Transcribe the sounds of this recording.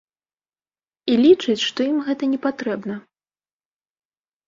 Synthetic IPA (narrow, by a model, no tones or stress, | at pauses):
ilʲit͡ʂɨt͡sʲʂt̪ɔimɣɛt̪ɐnʲɛpat̪ɾɛbnɐ